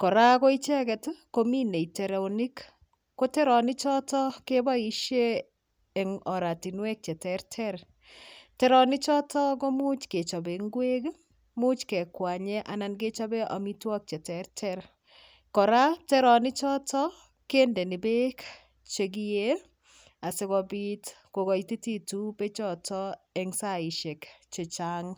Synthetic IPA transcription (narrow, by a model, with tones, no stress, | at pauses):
kɔ˨ɾa˦ko˦i˦t͡ʃɛ˦kɛ˨tko˦mi˦ne˨i˨tɛ˨ɾe˨oni˦kː | o˦tɛ˦ɾɔ˨ni˦t͡ʃɔ˦tɔ˦ke˦ba˦i˨ʃjeː˦˨ | ŋɔ˨ɾa˨ti˨nwe˦k̚t͡ʃɛ˨tɛɾtʰɛɾ | tɛɾɔ˨ni˦t͡ʃɔ˦tɔ˦ko˦mu˦t͡ʃke˨t͡ʃɔ˨be˨ŋɡwe˦ɡ | mu˦t͡ʃke˨kwa˨ɲɛ˦ʔa˨na˨nɡe˦t͡ʃɔ˦bɛ˦ʔa̰˨mi˦twɔ˦k̚t͡ʃɛ˨tɛɾtʰɛ˦ɾ | kɔ˨ɾa˦tɛ˦ɾɔ˨nɪ˦t͡ʃɔ˦tʰɔ˦ | ke˦nde˨nɪ˨be˦k | t͡ʃe˨ɡi˦je˦ | a˨sɪ˦ɡɔ˦bi˦tko˨ɡɔ˨i˨ti˦ti˦tu˦pe˦t͡ʃɔ˦tɔ˦ɛ˦ŋsa˦ɪ˨ʃe˨kt͡ʃe˨t͡ʃa˦ŋ